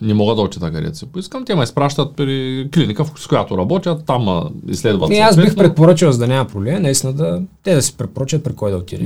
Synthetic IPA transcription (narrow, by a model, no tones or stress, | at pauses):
nɛmɔɡəd̪ɐot̪i̥t̪ɐkɐɾɛ̰t̪sɛpʊiskəmt̪ɛmɐispɾaʃt̪ɐt̪̚pɾiklinikəfskojat̪oɾɐbɔt̪ʲjɐt̪ːam̰ḭslɛd̪vɐ̰ɛasbixpɾɛt̪poɾat͡ʃilwˠzɐd̪ɐnʲamɐpɾoblɛmnɐist̪inɐd̪ɐt̪ɛd̪ɐsɛ̥pɾɛt̪̚poɾat͡ʃʲjɐt̪̚pɾikɔjd̪ɐot̪id̪ɛ